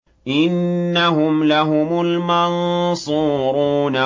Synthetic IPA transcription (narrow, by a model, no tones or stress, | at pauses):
ʔɪnːaɦʊmlaɦʊmʊlmɑnsˤuːɾuːna